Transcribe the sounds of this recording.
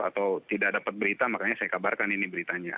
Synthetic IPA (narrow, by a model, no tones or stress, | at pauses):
a̰t̪awt̪idaʔ̚dapat̪̚bəɾit̪amakaɲasajakabarkaninibəɾit̪aɲa̰